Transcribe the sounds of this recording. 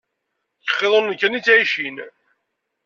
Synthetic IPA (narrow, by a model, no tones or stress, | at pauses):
çə̥χːeðˤənːəkːænit͡sːʕiʃin